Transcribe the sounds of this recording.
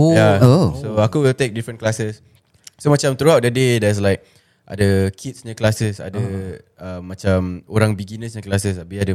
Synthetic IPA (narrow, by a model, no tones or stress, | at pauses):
ojaosoakuwilt̪ek̚difɾə̃nklasəs | somat͡ʃãmt̪ɾuawt̚dədedɛs̬laɪk̚ | ʔa̰dəkʰitsɲə̃klasəsa̰dəəmːat͡ʃamoɾãŋbiɡinə̃sɲə̃klasəsabiadə